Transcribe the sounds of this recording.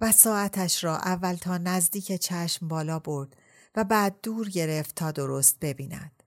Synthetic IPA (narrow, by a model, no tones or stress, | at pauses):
væsɒːæt̪ʰæʃɾɒːʔævːælt̪ʰɒːnæzd̪iːcʰet͡ʃʰæʃmbɒːlɒːbo̞ɾd̪̥ | væbæːd̪̚ːuːɾɟe̞ɾe̞ft̪ʰːɒːd̪o̞ɾost̪̚be̞biːnæ̰d̪̥